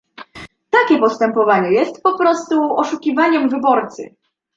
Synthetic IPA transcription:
t̪akʲɛpɔst̪ɛmpɔvaɲɛjɛst̪pɔpɾɔst̪uɔʂukʲivaɲɛmvɘbɔɾt̪sɘ̰

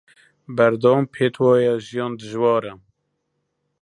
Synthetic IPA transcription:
bæɾd̪ɑwɑːmpʰeːt̪ʰwɑːjɛʒijɑːnd̪ɨʒwɑːɾɛ

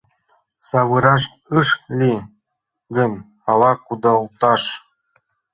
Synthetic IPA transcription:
sɑβɯɾɑʃ̬ | ɯʃlʲi | ɡʲɘ̆nʲ | ɑlˠɑkud̪ɑlˠt̪ɑʂ

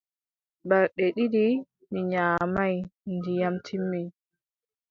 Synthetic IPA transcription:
baɾɗɛɗiɗi | niɲaːmajndijamtʰimːi

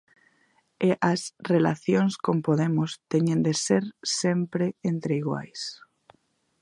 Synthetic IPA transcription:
eʔasrela̰θjonskompoðemʊst̪eɲẽnd̪eseɾsempɾeent̪ɾeiɣwa̰js

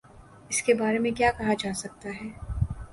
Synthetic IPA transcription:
ɪskebaːɾemẽkjaːkɐɦad͡ʒaːsɐk̚t̪aɦɛː

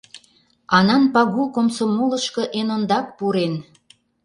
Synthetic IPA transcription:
ɑnɑnpɑɣukomsomoləʃkɤ̆ʔenond̪ɑk̚puɾen

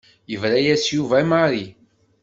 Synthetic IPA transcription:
jəvɾæjæsjuvæmaɾi

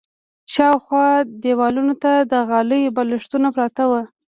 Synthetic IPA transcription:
ʃɑwxwɑd̪ewɑlunot̪ad̪əɣɑləjobalɪʂt̪unapɾɑt̪awə

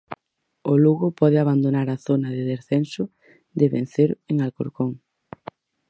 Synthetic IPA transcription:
oluɣʊpɔðeaβand̪onaɾaθonɐðɪðesθensʊ | d̪ɪβẽn̟θeɾeŋalkoɾkoŋ

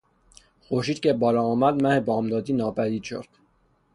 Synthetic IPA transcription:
xoʃit̪kʰebɒɾɔːmæd̪mæhebɒːmd̪ɒːd̪inɒːbæd̪id̪t͡ʃʰo̰ɾt̪

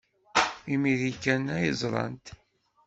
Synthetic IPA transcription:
imiðikːænæjəzˤɾˤɑ̰nt̪

